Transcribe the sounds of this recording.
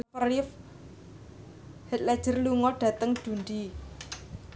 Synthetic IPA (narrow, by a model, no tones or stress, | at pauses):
pərlɪf | hɛt̪̚lɛd̥ʒ̥ə̤rluŋɔɖ̥ä̤t̪əŋd̥ṳnd̪i